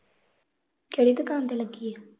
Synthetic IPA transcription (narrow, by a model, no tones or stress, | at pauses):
keɽiːt̪əkaːnt̪eləɡːiːeː